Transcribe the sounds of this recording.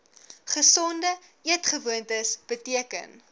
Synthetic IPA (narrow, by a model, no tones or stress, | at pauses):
χəsɔndə | iətχəvuəntəsb̥ətiəkə̰n